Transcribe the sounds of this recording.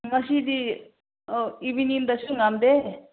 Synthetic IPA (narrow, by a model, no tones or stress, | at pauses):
mɐsid̪i | ibinind̪ɐsuŋɡamd̪e